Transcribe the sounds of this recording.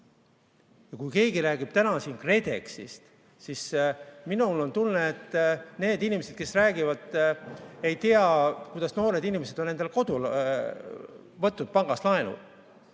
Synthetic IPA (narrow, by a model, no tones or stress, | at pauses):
jɑkujke̞ːɡiɾæːɡ̥ib̥̚t̪ænɑsiːnkre̞d̪e̞ksḭst̪ | sisminulo̞nt̪ulneet̪ːne̞ːd̪inʲimese̞d̪̥̚ke̞sræːɡivɑd̪̥ | e̞jt̪iɑkujd̪̥ɑsno̞ːɾe̞d̪inimese̞d̪onːe̞nd̪elko̞d̪̥ul | vɤt̪ːud̪̚pɑŋɡ̥ɑslɑenṵd̥̪